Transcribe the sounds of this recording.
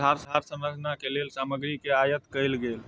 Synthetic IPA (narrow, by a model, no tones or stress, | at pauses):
aɾsaɾsə̃mɾəd͡ʒnakelelsaməɡɾikeajət̪kəjlɡel